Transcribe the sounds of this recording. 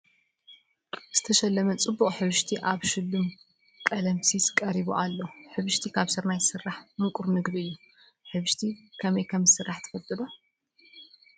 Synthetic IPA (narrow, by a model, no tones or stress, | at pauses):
z̥ɨt̪ʰɐʃɐlːɐmɐt͡sʼɨbːuχʼħɨβɨʃt̪ʰiʔaβʃɨd̪ɨm | kʼɐlɐmsiskʼɐɾiβuʔalːoħɨβɨʃt̪ʰikʰaβsɨɾnajsɨrːaħmɨŋkʼuɾnɨɡd̪iɨjːu | ħɨβɨʃt̪ʰikʰɐmɐjkʰɐmɨsɨrːaħt̪ʰɨ̥fɐt̪ʼɨd̪o